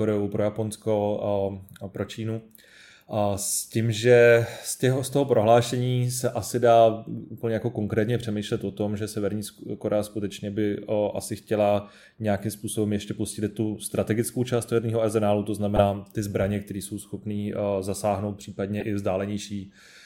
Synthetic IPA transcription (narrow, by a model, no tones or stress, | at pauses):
koɾɛupɾojapo̞nsko̞ | pɾo̞t͡ʃiːnu | scimʒɛstɛɦost̪oɦopɾo̞ɦlaːʃɛɲiːsɛʔasɪdaːʔupl̩ɲɛjako̞ko̞ŋkɾɛːt̪ɲɛpr̥ɛmijʃlɛt̪ʔo̞t̪o̞mʒɛsɛvɛɾɲiːkoɾʔɛaskut̪ɛt͡ʃɲɛbɪʔasɪxcɛla | ɲɛjakɪmspuːso̞bɛmjɛʃcɛposcɪlɪt̪ːust̪ɾat̪ɛɡɪt͡skowt͡ʃaːst̪sɛvɛɾɲiːɦoazɛnaːlut̪o̞znamɛnaːt̪ɪzbɾaɲɛk̚t̪ɛɾiːso̞wsxo̞pniːzasaːɦno̞wt̪̚pr̝̥iːpad̪ɲɛʔɪvzdaːlɛɲɛjʃiː